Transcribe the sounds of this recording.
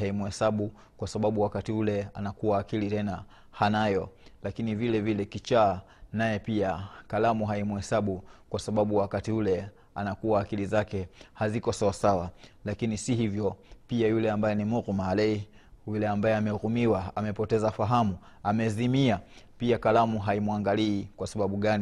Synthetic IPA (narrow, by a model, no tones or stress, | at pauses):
haimuhɛsaɓu | kwasaɓaɓuwakatiulɛa̰nakuwaːkilitɛna | hanajɔlakinivilɛvilɛkit͡ʃaː | najɛpiakalamuɦaimuhɛsaɓukwasaɓaɓuwakatiulɛ | a̰nakuwaːkilizakɛhazikɔsawasawalakinisihivjɔpiajulɛambajɛnimuɣmalɛjulɛambajɛamɛɣumiwaamɛpɔtɛzafaɦamuamɛzimiapiakalamuɦaimuaŋɡaliːkwasaɓaɓuɠani